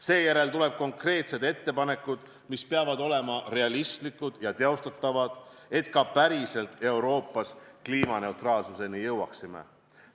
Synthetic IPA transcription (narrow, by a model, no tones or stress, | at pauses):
se̞ːjæɾe̞lt̪ule̞b̥̚ko̞ŋkre̞ːt̪se̞d̪e̞t̪ːe̞pɑne̞kːud̪̥ | mispe̞ɑvɑd̪o̞le̞mɑɾe̞ɑlist̪likːˑud̪̥jɑt̪eo̞st̪ɑt̪ˑːɑvɑd̪̥ | e̞t̪kɑpæɾise̞lt̪ˑe̞wɾo̞ːpːˑɑskliːmɑne̞wt̪rɑːlsuse̞nijɤwɑ̰ksimḛ